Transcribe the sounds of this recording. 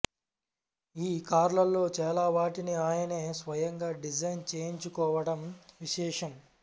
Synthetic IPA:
iːkaːɾlɐlːo̞ːt͡ʃɛːlaːʋaːʈiniaːjɐneːsʋɐjɐŋɡaːɖid͡ʒɐjnt͡ʃe̞ːjiɲt͡ʃukɔːʋɐɽɐmʋiʃɛːʂɐm

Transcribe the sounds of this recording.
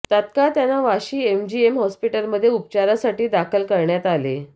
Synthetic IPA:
t̪ət̪kat̪janaʋaɕiːemd͡ʑiemɦɔspiʈəlməd̪ʱːjeup̚t͡ɕaɾasaʈiːd̪akʰəlkəɾɳjat̪ale

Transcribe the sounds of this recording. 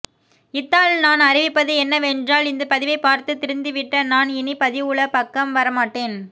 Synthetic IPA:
ɪt̪ːaːlnaːnɐrɪʋɪpːɐðɯɛnːɐʋɛndraːlɪnd̪ɯpɐðɪʋɐɪpaːɾt̪ɯt̪ːɪɾɯnd̪ɯʋɪʈːɐnaːnɪnipɐðɪʋɯɭɐpɐkːɐmʋɐɾɐmaːʈːeːn

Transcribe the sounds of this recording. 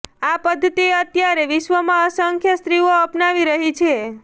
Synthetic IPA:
apəd̪ʱːət̪ieət̪jaɾeʋɪʃʋəmãəsəŋkʰjəst̪ɾioəpnaʋiɾəɦit͡ʃʰe

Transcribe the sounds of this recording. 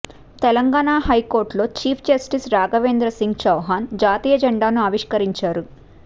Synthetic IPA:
t̪ɛlɐŋɡaːɳaːɦɐjko̞ːɾʈlo̞ːt͡ʃiːpʰd͡ʒɐsʈisɾaːɡɐʋe̞ːnd̪ɾɐsiŋɡt͡ʃɐwɦaːnd͡ʒaːt̪iːjɐd͡ʒɐɳɖaːnuɐʋiʂkɐɾiɲt͡ʃaːɾu

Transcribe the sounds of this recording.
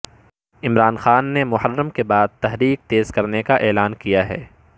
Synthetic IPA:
ɪmɾaːnxaːnːemʊhəɾːəmkebaːd̪̚t̪ɐɦɾiːk̚t̪eːz̥kɐɾnekaʔɛːlaːnkijaɦɛ̰ː

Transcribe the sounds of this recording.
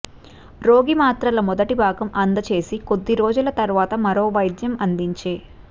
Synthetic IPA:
ɾoːɡimaːt̪ɾɐlɐmɔd̪ɐʈibaːɡɐmʔɐnd̪ɐt͡ʃe̞ːsikod̪ːiɾoːd͡ʒulɐt̪ɐɾʋaːt̪ɐmɐɾo̞ːʋɐjd̪jɐmɐnd̪iɲt͡ʃe̞ː

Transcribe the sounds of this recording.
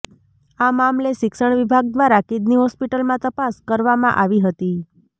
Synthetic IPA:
amamleʃɪkʃəɳʋibʱaɡ̚d̪ʋaɾakid̪niɦɔspiʈəlmãt̪əpaskəɾʋamãʔaʋiɦət̪i

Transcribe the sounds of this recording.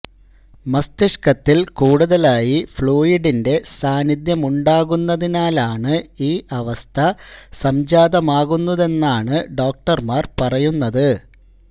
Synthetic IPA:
mɐst̪iʂkɐt̪ːilkuːɽuðɐlaːjifɭoːjiɖinde̞saːnid̪jɐmuɳɖaːɣunːɐðinaːlaːɳɨiːʔɐʋɐst̪ʰɐsɐmd͡ʑaːd̪ɐmaːɣunːuðe̞nːaːɳɨɖo̞ːk̚ʈɐrmaːrpɐrɐjunːɐðɨ

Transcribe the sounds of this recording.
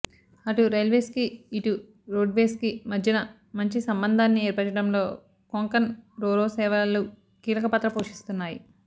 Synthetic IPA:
ɐʈuɾelʋeːskiːʈu | ɾoːɖʋeːskimɐd̪ʱjɐnɐ | mɐɲt͡ʃisɐmbɐnd̪ʱaːnːieːɾpɐɾt͡ʃːɐɽɐmlo̞ː | koŋkɐnɾoːɾoːsɛːʋɐlu | kiːlɐkɐpɐt̪ɾɐpoːʂi̥st̪unːaːjḭ

